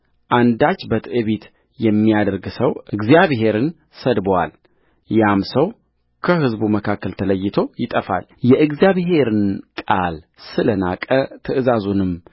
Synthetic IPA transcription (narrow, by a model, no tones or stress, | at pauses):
ʔand̪at͡ʃːbət̪ʰɨʔɨβit̪ | jɛmːijad̪əɾɡsəwʔɨɡzijaβɦe̞ɾɨn | səd̪bwa̰l | jamsəw | kʰəɦɨzbuməkʰakːəlt̪ʰələjːɪt̪ʰo̞jɪt̪ʼəfa̰ljɛʔɨɡzijaβɦe̞ɾɨnkʼal | sɨlənakʼət̪ʰɨʔɨzazunɨm